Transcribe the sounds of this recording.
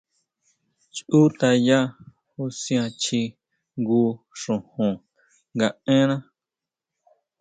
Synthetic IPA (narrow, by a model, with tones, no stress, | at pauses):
t͡ʃu˦t̪a˧ja˦ | u˦sj̃ã˧t͡ʃi˧ | ŋɡu˧ | ʂũ˨hũ˨ | ŋɡa˧ẽ˦nã˦